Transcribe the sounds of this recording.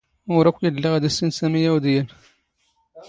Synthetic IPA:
wɾækʷːjəlːəʁd̪æsinsæmijæwd̪jæn

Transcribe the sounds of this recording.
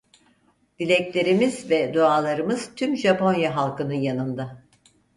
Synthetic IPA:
d̪̥ilʲɛclʲe̞ɾimizvɛd̪oaːlˠaɾɯmɯz̥t̪ʰymʒapo̞njaɦalˠkʰɯnɯnjanɯnd̪a

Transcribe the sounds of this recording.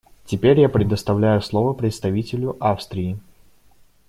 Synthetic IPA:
tʲɪpʲeɾʲjapɾʲɪd̪əst̪ɐvlʲæjʊslˠovəpɾʲɪt̪st̪ɐvʲitʲɪlʲʊʔafst̪ɾʲɪɪ

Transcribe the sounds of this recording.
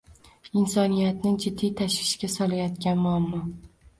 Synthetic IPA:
ɪnsɒnijat̪nɪŋd͡ʒɪd̪ːijt̪ʰaʃvɪʃkʲasɒlajɒt̪kʲanmʊamːɒ

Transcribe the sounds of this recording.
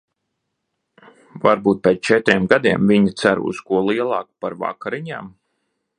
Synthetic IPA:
vaɾbuːt̪̚pʲeːt̪st͡ʃɛt̪ɾʲiɛmɡad̪iɛmvʲiɲit̪sæɾṵskuɔlˠiɛlˠɑːkpaɾva̰kaɾiɲaːm

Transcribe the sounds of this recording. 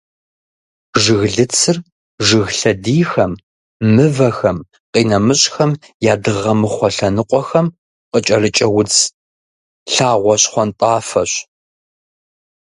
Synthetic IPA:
ʒɨɣɮɨt͡sʰɨr | ʒɨɣɬɐdiːxɐm | mɨvɐxɐm | qiːnɐmɨɕʼxɐm | jaːdɨʁɐmɨχʷɔɬɐnɨqʷʼɔxɐm | qət͡ʃʼɐrɨt͡ʃʼɐwʊt͡s | ɬaːʁʷɔɕχʷɔntʼaːfɐɕ

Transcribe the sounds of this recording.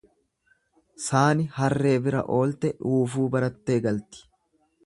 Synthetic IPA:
saːnɪhɐrːe̞ːbɪɾɐ̰ʔo̞ːlt̪ɛᶑuːfuːbɐɾɐt̪ːe̞ːɡɐlt̪ɪ̥

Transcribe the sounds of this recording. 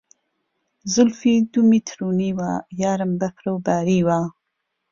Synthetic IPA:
zʊlfid̪umit̪ʰɾuniwajaːɾəmbakɾawbaːɾiwa

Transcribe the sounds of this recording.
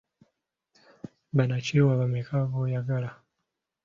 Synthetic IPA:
banat͡ʃɛwaβamɛkʰavɔjaɡala

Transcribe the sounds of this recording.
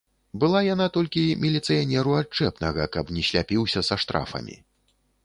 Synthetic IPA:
bɨlˠajanat̪ɔlʲkʲimʲilʲit̪sɨjanʲɛɾuat͡ʂɛpnɐɣɐ̰kɐpnʲɛɕʲlʲapʲiwsʲɐsɐʂt̪ɾa̰fɐ̰mʲḭ

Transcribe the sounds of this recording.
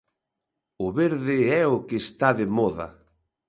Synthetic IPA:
ʊβeɾðɪɛʊkeːst̪aðɪmɔðɐ̰

